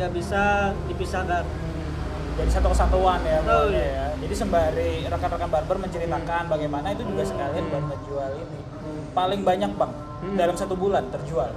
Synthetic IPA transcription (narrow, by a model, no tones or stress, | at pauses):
abisadipisaɡan | d͡ʒadisat̪ukəsat̪oanjaajad͡ʒadisəmbaɾiɾakanrakanbarbərməɲt͡ʃəɾit̪akanbaɡajmanait̪ud͡ʒuɡasəkalinbart̪ərd͡ʒualini | palɪŋbaɲak̚baŋ̚ | dalamsat̪ubulant̪ərd͡ʒual